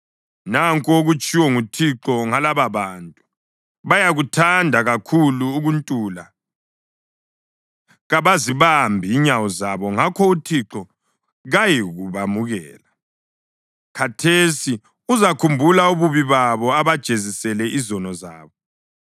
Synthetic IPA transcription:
naŋkʼɔoɣut͡ʃʼiwɔŋutʰiǁɔŋalaβaβaːntʼu | βajaɣutʰandʱaɣakʰuluːɣuntʼuːla̰ | ɣaβaziβambʱiːɲawɔzaβɔŋakʰɔutʰiǁɔ | ɣajiɣuβamuɣɛːla | kʰatʰesi | uzakʰumbʱulauβuβiβaβɔaβad̥ʒ̥ʱezisɛlɛʔizɔnɔza̰ːβɔ

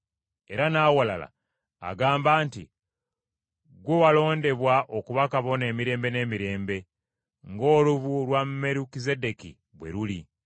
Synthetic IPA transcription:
e̞ɾanaːwala̰la̰ | a̰ɡaːmbaːntḭ | ɡwowalo̞ːnde̞βwaʔo̞kuβakaβo̞ne̞ːmiɾe̞ːmbe̞ne̞ːmiɾe̞ːmbe̞ | ŋɡo̞ːluβulwamme̞ɾukize̞de̞kḭ | βwe̞̰ɾuli

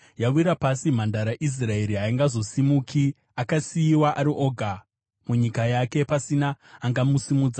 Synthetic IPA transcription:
jauiɾapasim̤andaɾaʔis̬rae̞ɾiɦaiŋɡazo̞simukʰi | akasijiwaʔaɾiʔo̞ɡʱa | muɲikajake̞pasinaːŋɡamusimud͡za

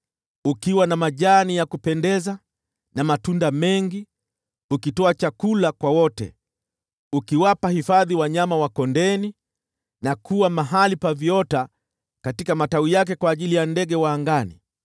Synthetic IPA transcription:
ukiwanamaʄanijakupɛndɛza | namatundamɛŋɡi | ukitɔat͡ʃakulakwawɔtɛ̰ | ukiwapahifaðiwaɲamawakɔndɛni | nakʰuwamaɦalipavjɔta | katikamataijak̬ɛkwaːʄilijandɛɡɛwaːŋɡanḭ

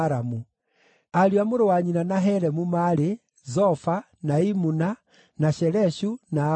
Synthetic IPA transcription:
ɾamu | aljwamuɾowaɲinanaɦɛɾɛmumaɾe | zɔfa | naimuna | naʃɛɾɛʃuna

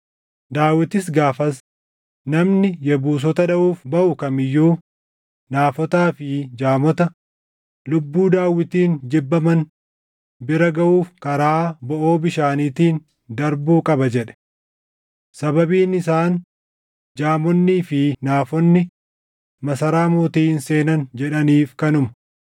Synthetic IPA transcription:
d̪aːwːɪt̪ɪs̬ɡaːfɐs | nɐmnɪjɛbuːs̬ɔt̪ɐᶑɐʔuːfbɐʔʊkɐmɪjːuː | naːfɔt̪aːfɪd͡ʒaːmɔt̪ɐ | lʊbːuːd̪aːwːɪt̪iːnd͡ʒɪbːɐmɐn | bɪɾɐɡɐʔuːfkɐɾaːbɔʔo̞ːbɪʃaːniːt̪iːn | d̪ɐɾbuːkʼɐbɐd͡ʒɛᶑɛ̥ | sɐbɐbiːnɪs̬aːn | d͡ʒaːmɔnːiːfɪnaːfɔnːɪ | mɐsɐɾaːmuːt̪iːnse̞ːnɐnd͡ʒɛᶑɐniːfkɐnʊmɐ̥

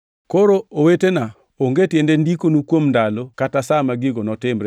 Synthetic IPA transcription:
koɾoowetena | oŋɡetjendendikonukwomndalokatasamaɡɪɡonɔtɪmɾɛ

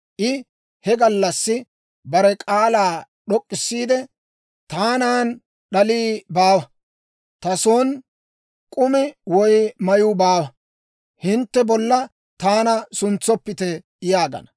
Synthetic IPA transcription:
ʔɪ | hɛɡɐlːɐsːɪ | bɐɾɛkʼaːlaː | ɗɔkʼːɪsːiːd̪ɛ | t̪aːnaːn | ɗɐliːbaːwɐ | t̪ɐsoːn | kʼʊmɪwɔjmɐjubaːwɐ | hɪnt̪ːɛbɔlːɐ | t̪aːnɐsʊnt͡sːɔpːɪt̪ɛ | jaːɡɐ̰nɐ

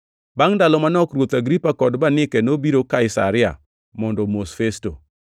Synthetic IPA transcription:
baŋdalɔmanɔkɾwot̪aɡɾipakɔdbanɪkɛnobiɾokaɪsa̰ɾɪa̰ | mɔndɔmosfesto

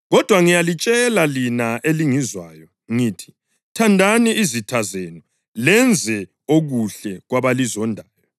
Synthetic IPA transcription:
ɣɔd̥ʱwaŋijalit͡ʃʼɛlalinaʔeliŋizwaːjɔ | ŋiːtʰi̥ | tʰandʱaniizitʰazenɔ | lɛnd͡zʱɛ | oɣuɬɛɣwaβalizɔndʱaːjɔ

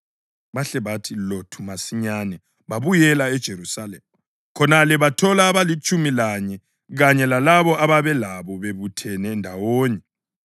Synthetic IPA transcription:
βaɬɛβatʰilotʰumasiɲanɛ | βaβujɛlaɛd̥ʒ̥ʱeɾusalɛ̰mu | kʰɔnalɛβatʰɔlaːβalit͡ʃʼumilaɲɛ | ɣaɲɛlalaβɔʔaβaβɛlaβɔβeβutʰɛnɛndʱawoːɲɛ

